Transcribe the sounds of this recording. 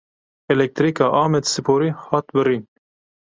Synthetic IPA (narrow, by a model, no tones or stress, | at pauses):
ɛlɛk̚t̪ɾiːkɑːʔɑːmɛt̪sɨpʰoːɾihɑːt̪bɨɾin